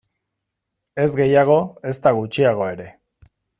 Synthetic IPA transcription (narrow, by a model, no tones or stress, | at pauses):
e̞zɡe̞jaɣ̞o̞e̞st̪aɣut͡ʃiaɣ̞o̞e̞ɾe̞